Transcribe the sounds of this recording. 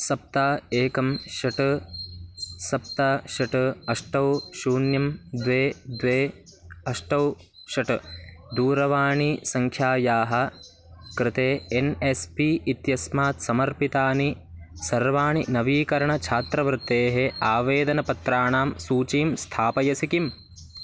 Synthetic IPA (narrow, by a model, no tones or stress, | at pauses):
sɐp̚t̪aːeːkɐmʃɐʈ | sɐp̚t̪aːʃɐʈɐʂʈɐwʃuːnjɐmd̪ʋeːd̪ʋeː | ɐʂʈɐw | ʃɐʈd̪uːɾɐʋaːɳisɐŋkʰjaːjaːɦɐ̆ | kɾɪt̪eːenespiːt̪jɐsmaːt̪sɐmɐɾpit̪aːni | sɐɾʋaːɳinɐʋiːkɐɾɐɳɐt͡ʃʰaːt̪ɾɐʋɐɾt̪eːɦeaːʋeːd̪ɐnɐpɐt̪ɾaːɳaːmsuːt͡ʃiːmst̪ʰaːpɐjɐsikim